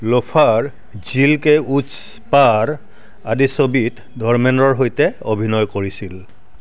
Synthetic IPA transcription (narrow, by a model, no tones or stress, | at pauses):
lopʰaɹ | zilkɛut͡ʃ | paɹ | adisobit | dʱɔɹmɛnɔɹɦojtɛobʱinɔjkoɹisil